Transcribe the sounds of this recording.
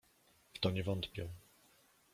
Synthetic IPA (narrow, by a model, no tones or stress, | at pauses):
ft̪ɔɲɛvɔnt̪pʲjɛ